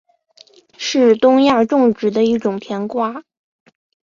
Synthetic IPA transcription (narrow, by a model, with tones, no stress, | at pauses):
ʂɻ̩˥˧t̪ʊ˥ŋja˥˧ʈ͡ʂʊ˥˧ŋʈ͡ʂɻ̩˨˩d̪ə˦i˥˩ʈ͡ʂʊ˨˩ŋp̪ʰjɛ˧˥nkwa˥